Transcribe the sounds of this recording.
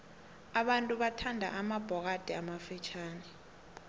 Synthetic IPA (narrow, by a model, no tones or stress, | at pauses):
aɓantʼuɓatʰandʱa̰ʔamab̥ʱɔk̬ad̥ʱɛamafit͡ʃʰaːnɛ